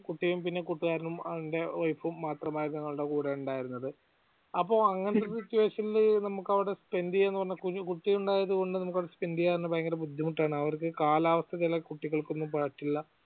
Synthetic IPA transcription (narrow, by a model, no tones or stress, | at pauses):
kuʈːijumpinːe̞kuʈːuɣaːɾɐnumɐʋiɳde̞ʋɐjfumːaːt̪rɐmaːjinːɐŋːɐɭuɽe̞kuːɽeuɳɖaːjiɾunːɐðɨ | ɐpːo̞ːɐŋːɐnɐt̪ːeit͡ɕːuʋeːɕɐnilnɐmukːɐʋiɽe̞spe̞nd̪ienːɨpɐrɐɲːɐkukuʈːijuɳɖaːjɐðuɣo̞ɳɖɨnɐmuk̬ːɐʋɽespe̞nd̪ijaːjɾnːɐbɐjɐŋɡɐɾebud̪ʱːimuʈːaːɳɨɐʋɐrkɨkaːlaːʋɐst̪ʰɐt͡ɕilɐkuʈːiɣɐɭko̞nːumpɐɻɐʈːilːɐ